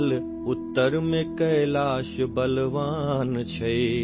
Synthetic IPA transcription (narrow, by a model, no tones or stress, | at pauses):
l | ʊt̪ːəɾmẽkɐelaːʃbɐlʋaːnt͡ɕʰɐe